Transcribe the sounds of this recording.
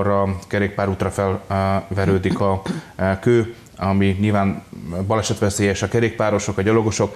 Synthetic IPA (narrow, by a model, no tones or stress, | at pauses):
rɒkɛɾeːk̚paːɾuːt̪rɒfɛlvɛɾøːd̪ikɒkøː | ɒmiɲilvaːnbɒlɛʃɛt̪ʋɛseːjɛʃɒkɛɾeːk̚paːɾo̞ʃo̞kɒɟɒlo̞ɡo̞ʃo̞k